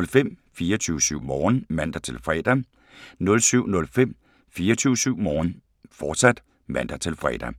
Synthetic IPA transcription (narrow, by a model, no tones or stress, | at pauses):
lfem̰ | fiːɐt͡sʰyʊsyʊ̰mɒːnmæn̰d̥ɐt͡sʰe̝lfʁɛd̥æ | nɔ̽lsyʊ̰nɔ̽lfem̰ | fiːɐt͡sʰyʊsyʊ̰mɒːn | fɒːd̥sæd̥ | mæn̰d̥ɐt͡sʰe̝lfʁɛ̰ːd̥æ